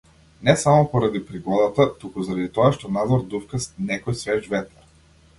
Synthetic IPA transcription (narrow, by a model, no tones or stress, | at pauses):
nɛsamopoɾad̪ipɾiɡɔd̪at̪at̪ukuzaɾad̪it̪ɔaʃt̪ɔnad̪zɔɾd̪ufkasnɛkɔjsvɛʒvɛt̪aɾ